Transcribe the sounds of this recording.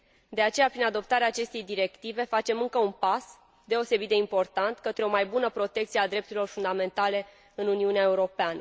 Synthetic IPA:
d̪e̞at͡ʃe̞japɾinad̪o̞p̚t̪aɾeaːt͡ʃe̞st̪e̞jd̪iɾe̞kt̪ive̞fat͡ʃe̞mɨŋkəunpas | d̪e̞o̞se̞bit̪d̪eimpo̞rt̪ant̪kət̪ɾe̞o̞majbunəpɾo̞t̪e̞k̚t̪siead̪ɾep̚t̪uɾilo̞rfund̪amẽ̞nt̪ale̞ | ɨnuniuneae̞uɾo̞peanə

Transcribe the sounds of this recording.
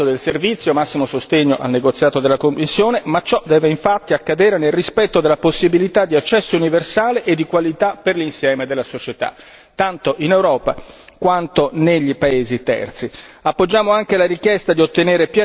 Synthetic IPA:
od̪elservit̪sːjomasːimosost̪eɲːoʔa̰lneɡot̪sːjaːt̪od̪elːakomːisːjoːnemat͡ʃɔd̪ɛːveiɱfat̪ːiakːad̪eːɾenelrispɛt̪ːod̪elːaposːibilit̪ad̪ːiat͡ʃːɛsːouniversaːleʔed̪ːikwalit̪apːerlinsjɛːmed̪elːasot͡ʃet̪a̰ | t̪ːant̪oʔinewɾɔːpakwant̪oneʎːipaeːzit̪ɛ̰rt̪siapːod͡ʒːaːmoaŋkelaɾikjɛst̪ad̪iot̪ːeneːɾepjɛ

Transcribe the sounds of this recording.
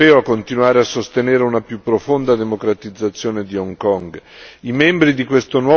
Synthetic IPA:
ɛːoakːont̪inuwaːɾeasːost̪eneːɾeunapjupːɾofond̪ad̪emokɾat̪id̪zːat̪sːjoːned̪iɔŋkɔŋɡimɛmbɾid̪ikwest̪onwɔ

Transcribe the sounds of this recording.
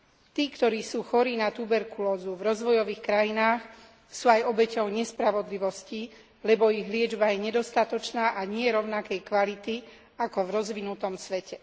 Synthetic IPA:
t̪iːkt̪ɔɾiːsuːxɔɾiːnat̪ubɛɾkulɔːzuvɾɔzʋɔjɔʋiːxkɾajinaːx | suːajɔbɛcɔʊɲɛspɾaʋɔd̪liʋɔsci | lɛbɔiɣlɪɛd͡ʒbajɛɲɛd̪ɔst̪at̪ɔt͡ʃnaːʔaɲɪɛɾɔʊnakɛjkʋalit̪i | akɔvɾɔzʋinut̪ɔmsʋɛcɛ

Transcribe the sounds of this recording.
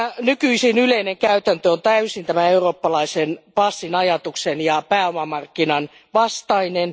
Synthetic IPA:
ænykyisinyleineŋkæyt̪ænt̪øont̪æysint̪æmæeuroːpːɑlɑisenpɑsːinɑjɑt̪uksenjɑpæːomɑmɑrkːinɑn | ʋɑst̪ɑinen

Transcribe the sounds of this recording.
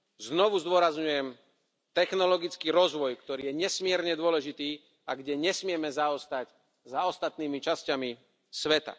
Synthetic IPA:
znɔʋuzd̪ʊɔɾazɲujɛm | t̪ɛxnɔlɔɡit͡skiːɾɔzʋɔjkt̪ɔɾiːjɛɲɛsmɪɛɾɲɛd̪ʊɔlɛʒit̪iː | aɡɟɛɲɛsmɪɛmɛzaɔst̪ac | zaɔst̪at̪niːmit͡ʃascami | sʋɛt̪a̰

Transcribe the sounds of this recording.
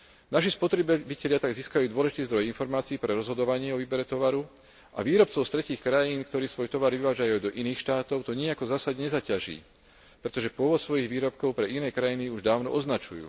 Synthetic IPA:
naʃ̬ispɔt̪ɾɛbbicɛʎɪat̪aɡziːskajuːd̪ʊɔlɛʒit̪iːzd̪ɾɔjinfɔɾmaːt͡siːpɾɛɾɔzɦɔd̪ɔʋaɲɪɛɔʋiːbɛɾɛt̪ɔʋaɾu | a̰ʋiːɾɔp̚t͡sɔʊst̪ɾɛciːxkɾajiːnkt̪ɔɾiːsʋɔjt̪ɔʋaɾʋiʋaːʒajud̪ɔʔiniːxʃt̪aːt̪ɔʊt̪ɔɲiakɔzaːsaɟɲɛzacaʒḭː | pɾɛt̪ɔʒɛpʊɔʋɔt̪sʋɔjiɣʋiːɾɔpkɔʊpɾɛʔinɛːkɾajiniuʒd̪aːʊnɔ̰ʔɔznat͡ʃujṵː

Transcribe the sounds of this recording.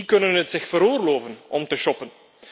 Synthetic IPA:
ikɵnənɦətsɪxfəɾoːrloːvənʔɔmtəʃɔpən

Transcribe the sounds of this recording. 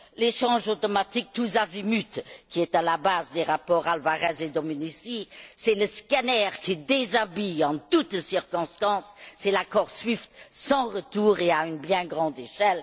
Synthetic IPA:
leʃɑ̃ʒot̪omat̪ik̚t̪uzazimyt̪kʲiɛt̪alabaːzd̪eʁapɔːʁalvaʁɛzed̪omynisisɛləskanɛːʁkʰid̪ezabiɑ̃t̪ut̪siʁkɔ̃st̪ɑ̃sːɛlakɔːʁsɥift̪sɑ̃ʁət̪uːʁeaynbjɛ̃ɡʁɑ̃d̪eʃɛl

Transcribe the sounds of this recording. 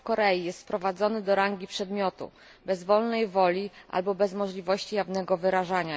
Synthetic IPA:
kɔɾɛjijɛst̪pɾɔvad̪zɔnɘd̪ɔɾaŋɡʲipʂɛd̪mʲjɔt̪ṵ | bɛzvɔlnɛjvɔlʲiʔa̰lbɔbɛzmɔʐlʲivɔɕt͡ɕijavnɛɡɔvɘɾaʐaɲa

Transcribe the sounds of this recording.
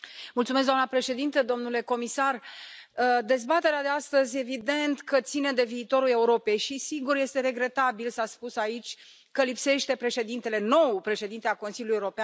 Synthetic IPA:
mult̪sumes̬d̪amnəpɾe̞ʃe̞d̪int̪əd̪o̞mnule̞ko̞misarəd̪e̞zbat̪e̞ɾead̪e̞ast̪əzʲjevid̪e̞nt̪kət̪sine̞d̪e̞viːt̪o̞ɾule̞uɾo̞pe̞jʃisiɡurje̞st̪e̞ɾe̞ɡɾe̞t̪abilsaspusait͡ʃʲ | kəlipse̞ʃt̪e̞pɾe̞ʃe̞d̪int̪e̞le̞no̞wpɾe̞ʃe̞d̪int̪eako̞nsilʲulujeuoɾopean

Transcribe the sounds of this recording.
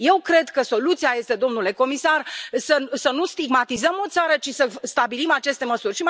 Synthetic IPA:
je̞wkɾe̞d̪kəso̞lut̪siaje̞st̪e̞d̪o̞mnule̞ko̞misarsəsənust̪iɡmat̪izəmo̞t̪saɾət͡ʃisəst̪abilimat͡ʃe̞st̪e̞məsurʲʃim

